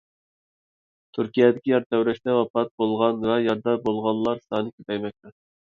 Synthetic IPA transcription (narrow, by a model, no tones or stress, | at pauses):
t̪ʰyɾkʲijɛd̪ɪkʲijɑɾt̪ʰɛwɾɛʃt̪ɛwɑpɑt̪̚bolˠʁɑnvɛjɑɾd̪ɑɾbolˠʁɑnlːˠɑɾsɑnɨkʲʰyp̪ɛjmɛk̚ʲt̪ɛ